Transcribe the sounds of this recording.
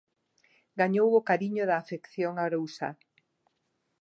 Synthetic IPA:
ɡaɲowʊkaɾiɲʊðaːfekθjoŋaɾowsa̰

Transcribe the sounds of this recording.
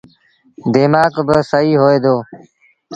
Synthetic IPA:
d̪eːmaːkbəsəiːɦoːeːd̪oː

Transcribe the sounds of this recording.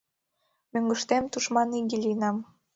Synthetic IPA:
møŋɡəʃt̪emt̪uʃmɑniɣelijnɑm

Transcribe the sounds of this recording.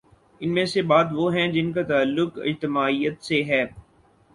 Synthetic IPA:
ɪnmẽsebaːt̪ʋoɦɛ̃d͡ʒɪnkat̪aːəlːʊkɪ̰d͡ʒt̪ɪmaːijət̪seɦɛː

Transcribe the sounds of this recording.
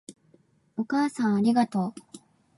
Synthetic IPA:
o̞kaːsãɰ̃aɾʲiɡat̪o̞ː

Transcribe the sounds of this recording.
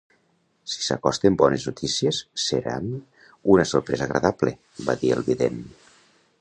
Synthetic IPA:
si̥sa̰kɔst̪embɔneznut̪ʰisiesːeɾa̰n | unəsoɾpɾezaɣɾa̰ðaple | ba̰ðielˠβiðen

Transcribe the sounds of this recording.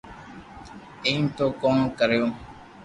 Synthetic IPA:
eːmt̪oːkoːnoːkəɾjoː

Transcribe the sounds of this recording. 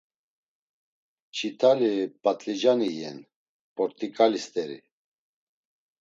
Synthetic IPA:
t͡ʃʰit̪ʰalipʼat̪ʼlid͡ʒanijɛ̰n | pʼɔɾt̪ʰʼikʼalist̪ʼɛɾḭ

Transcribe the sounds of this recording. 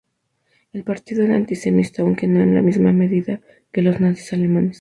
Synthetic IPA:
e̞lpaɾt̪iðo̞eɾa̰nt̪ise̞mist̪auŋkenoenla̰mizmame̞ðiða | ke̞lo̞znasi̥sale̞manes

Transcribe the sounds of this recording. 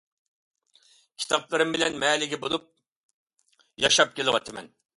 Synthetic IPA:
kʲʰi̥t̪ʰɑplˠɨɾɨmbɪlɛnmɛːlɪɡʲɛbolˠup̚ | jɑʃɑp̚kʲelˠɨwɑ̰t̪ʰɨmɛ̰n

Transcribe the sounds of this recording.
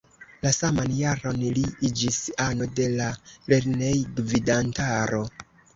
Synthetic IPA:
lasamanjaɾo̞nliid͡ʒisano̞de̞lale̞ɾne̞jɡvidantaɾo̞

